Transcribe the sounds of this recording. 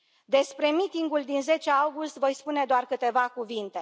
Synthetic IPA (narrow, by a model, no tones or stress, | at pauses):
d̪e̞spɾe̞mit̪iŋɡuld̪inze̞t͡ʃeawɡust̪vo̞jspune̞d̪oarkɨt̪e̞vakuvint̪e̞